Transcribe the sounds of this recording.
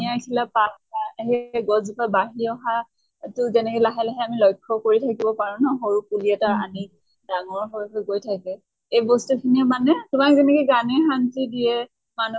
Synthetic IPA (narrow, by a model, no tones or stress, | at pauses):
ajkʰilapaaɦɛɡɔzupabaɦiɔɦa | tʊzɛnɛkɛlaɦɛlaɦɛamilɔjkʰːɔkoɹitʰakibɔpaɹunɔɦoɹukuliɛtaɹani | daŋɔɹɦɔɹuɦojkojtʰakɛ | ejbɔstukʰiniɛmanɛtʊmak̚zɛnɛkɔɡanɛɦantidiɛ | manu